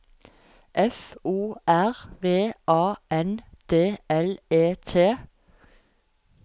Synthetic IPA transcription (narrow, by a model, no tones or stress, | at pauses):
ʔɛfuːæʁʋeːʔɑːʔɛnd̪̥eːɛleːt̪ʰeː